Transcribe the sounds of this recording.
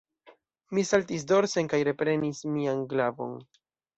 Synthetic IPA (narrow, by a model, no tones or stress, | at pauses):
misaltis̬do̞ɾseŋkajɾe̞pɾe̞nismianɡlavo̞̰n